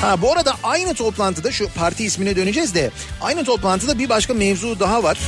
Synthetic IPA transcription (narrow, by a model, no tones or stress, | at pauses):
habuaɾad̪aʔajnɯt̪ʰo̞plˠant̪ʰɯd̪aʃupʰaɾt̪ʰiːsminɛd̪ø̞ned͡ʒɛzd̪ɛ | a̰jnɯt̪ʰo̞plˠant̪ʰɯd̪abibaʃkamɛvzuːd̪aɦavaɾ̥